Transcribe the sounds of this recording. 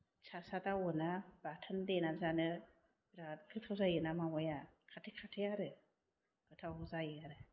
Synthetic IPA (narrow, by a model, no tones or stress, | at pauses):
t͡ʃasatawunabatʰɨndenazanə | ɾakɨtʰozajinamawujakʰatikʰatijaɾə | kɨtawuzajiaɾɨ